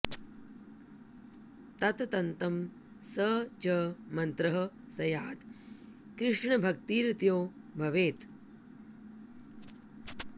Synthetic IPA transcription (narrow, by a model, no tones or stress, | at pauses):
t̪ɐt̪t̪ɐnt̪ɐm | sɐt͡ʃɐmɐnt̪ɾɐɦɐ | sɐjaːt̪ | kɾɪʂɳɐbʱɐk̚t̪iːɾt̪joːbʱɐʋeːt̪